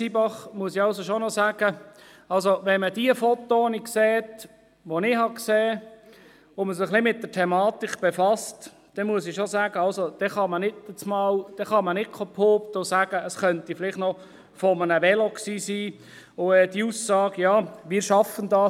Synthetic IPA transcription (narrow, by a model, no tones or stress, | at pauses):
sibɑχmuəsɪɑlsoʃonɔsæːɡ̥ə | ɑlsoʋɛnmədiəfɔt̪ːoːnɪkseːt | ʋonɪhɑkseː | ʊməs̬ɪχlɪmɪt̚d̥ətʰɛmɑːt̪ikb̥efɑst | d̥ɛnmuəs̬ɪʃosæːɡəɑlsod̥ɛχɑmənɪtət͡smɑːld̥ɛχɑmənɪkʰɔpʰhoːpt̪ʊsæːɡ̥əəsχœntifɪlɪχtnɔ | fɔmənəʋɛloksiːsiː | ʊɛd̥iusːɑːɡjɑːʋɪːɾʃɑfəndɑː